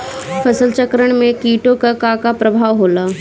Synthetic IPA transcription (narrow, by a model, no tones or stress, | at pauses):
pʰɐsəlt͡ʃəkɾəɽ̃mẽkiːʈokakakapɾɐbʱaːʋɦoːlaː